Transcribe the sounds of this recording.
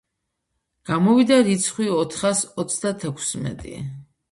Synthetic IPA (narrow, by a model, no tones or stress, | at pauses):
ɡ̥amɔvid̪aɾit̪sʰχwiɔt̪ʰχasɔt̪sʰd̪at̪ʰɛkʰsmɛ̰t̪ʼḭ